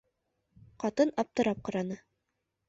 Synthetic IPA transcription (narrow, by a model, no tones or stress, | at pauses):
qɑt̪ɤnɑp̚t̪ɤ̆ɾɑp̚qɑ̆ɾɑnɤ